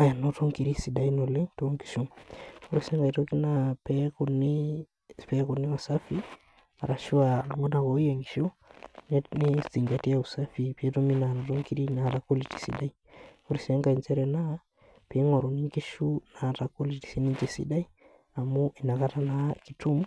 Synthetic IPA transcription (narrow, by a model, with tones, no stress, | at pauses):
a˨ja˨nɔ˦tɔ˦ŋki˨ɾi˦si˨ɗa˦i˦nɔ˨le˦ŋtɔŋki̥˨ʃu˦ŋu˦ɾi˨sɛ˦ŋɡa˨i˨tɔ˦ki˦na˦pɛkoni | pɛko˨ni˦wa˨sa˦fi˦ | a˨ɾa˨ʃu˦a˨ŋɔ˦na˨kɔ˨i˦jɛŋɡiʃɔ˦ | nɛnisti˨ŋɡa˨ti˦au˨sa˦fi˨pi˨ɛtɔ˦mi˦na˨nɔ˨tɔ˦ŋki˦ɾi˦na˨ɾa˨ko˦li˨ti̥˨sḭ˨ɗa˦i˦u˦ɾi˨sɛ˦ŋɡa˨i˨nt͡ʃɛ˦ɾɛ˨na˦ | pe˨˦ŋɔ˨ɾɔ˨ni˦ŋke˦ʃu˦na˨ta˨ko˦li˨ti̥˨si˦ni˦nt͡ʃɛ˨sḭ˨ɗa˦i˦ | a˨mu˦ʔi˨na˨ka˦ta˦naki˨tu˦m